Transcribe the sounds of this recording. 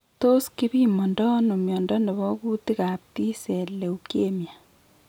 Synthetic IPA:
to˦ski˦bi˦mɔ˨ndɔ˦no˨mjɔ˨ndɔ˦ndɛ˨βɔ˦ku˦ti˦ka˨p̚ti˦sɛ˨le˨uke˦mja˨

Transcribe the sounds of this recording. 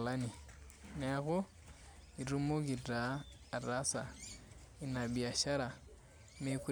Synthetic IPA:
la˦ni˨n˦a˦ɣo˦ | i˨ɾu˦mo˦ɡi˨ɾaː˨ɾasa˨ | i˨na˨bi˨a˨ʃa˦ɾa˨ | me˨ku˦

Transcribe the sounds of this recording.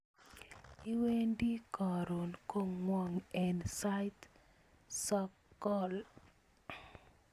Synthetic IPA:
i˦we˦ndi˦kɔ˨ɾo˨nko˦˨ŋwɔ˨ŋɛ˨nsa˦jt | sɔ˦kːɔ˦˨l

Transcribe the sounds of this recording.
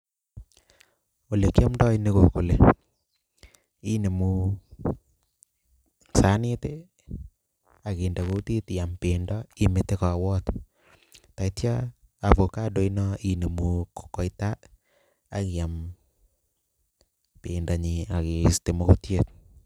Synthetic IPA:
o˨le˨kja˦mdɔ˦jni˦koko˨le˨ | i˦ne˨mu˨ | sa˦ne˦te | a˨ke˨nda˨ko˦ti˦tja˨mpendɔi˦mete˦ka˨wɔ˦t | ta˨itja | a˨vo˨ka˦do˨inɔine˨muko̥kɔ˦jta˦ | a˨ki˨ja˨m | pe˨nda˨ɲi˨a˨ke˨ste˨mo˦kotjet̚

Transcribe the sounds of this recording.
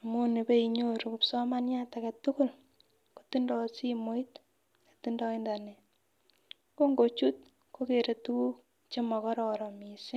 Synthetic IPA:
a˨mu˦ne˨be˦i˨ɲo˦ɾu˨kupsɔ˦ma˦nja˦ta˨ka˨tu˦ku˦l | ko̥˨ti˦ndɔ˦si˦mo˦i˦t | e˨ti˦ndɔ˦i˦nda˨ne˨ | ko˦ŋɡo˨t͡ʃu˦t̚ | ko˦ke˨ɾe˨tu˦u˦k̚ | t͡ʃe˦mɔ˨kɔ˦ɾɔ˨ɾɔ˨mi˨si˦

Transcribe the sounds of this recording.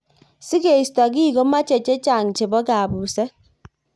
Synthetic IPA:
si˦ke˨i˨sta˨k̬i˦˨ko˦ma˦t͡ʃe˨t͡ʃe˦t͡ʃa˨ŋ˨t͡ʃe˨bɔ˦ka˨bu˨se˦

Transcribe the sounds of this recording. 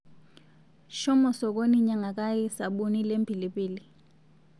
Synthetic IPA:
ʃɔ˦mɔ˨sɔ˨k̬o˦niɲa˦ŋa˨k̬ʼa˦ji˦sa˨ɓu˦ni˦le˦mbʱi˨liɓiːli

